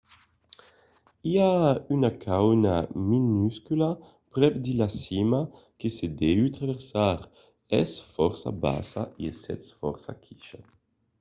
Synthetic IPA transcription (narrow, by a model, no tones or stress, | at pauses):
iaynakʰawnaminyskyla | pɾɛpd̪ilasima | kesed̪eyt̪ɾaveɾsaɾ | ɛsfɔɾsa̰ba̰sa̰iɛsɛt̪sfɔ̰ɾsa̰kʰi̥ʃa